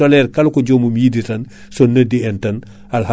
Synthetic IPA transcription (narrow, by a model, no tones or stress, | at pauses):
olɛːɾkɐlukoɟoːmumjiditɐn | sonːɐdiɛntɐn | alha